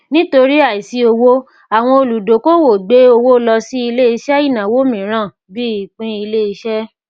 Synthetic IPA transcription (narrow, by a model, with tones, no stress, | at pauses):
nĩ˦to˧ɾi˦a˦˨i˨si˧˦o˧wo˦ | a˨w̃ɔ̃˧o˧lu˨do˨˦ko˦wo˨ɡ͡be˨˦o˧wo˦lɔ˧si˦i˧le˦i˧ʃɛ˦i˦˨nã˨wo˦mĩ˨ɾ̃ã˦˨ | bi˦i˨k͡pĩ˧˦i˧le˦i˧ʃɛ˦